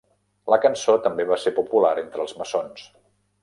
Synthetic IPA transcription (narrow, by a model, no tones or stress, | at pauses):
ləkənsot̪əmbeβasepupulaɾent̪ɾəːlˠzməsons